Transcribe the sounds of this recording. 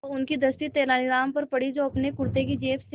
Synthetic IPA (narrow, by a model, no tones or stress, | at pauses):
ʊnkid̪ɐst̪it̪eːɾaːniɾaːmpɐɾpɐɽid͡ʒoːɐpnekʊɾt̪ek̬id͡ʒeːps